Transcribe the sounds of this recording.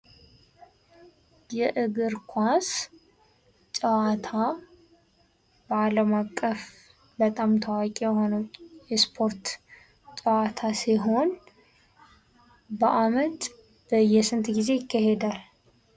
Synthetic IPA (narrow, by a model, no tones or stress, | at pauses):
jɛʔɨɡɨɾkʰʷas | t͡ʃʼəwat̪ʰa | bəaləmakʼːəf | bət̪ʼamt̪ʰəwakʼijɛho̞nəwjɛspʰo̞ɾt̪ | t͡ʃʼəwat̪ʰasiɦo̞n | bəʔamət̪ | bəjɛsɨnt̪ʰʼɡize̞jɪkːahe̞d̪al